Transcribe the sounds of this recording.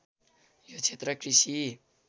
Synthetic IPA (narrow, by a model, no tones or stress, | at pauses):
jot͡sʰet̪rʌkrisi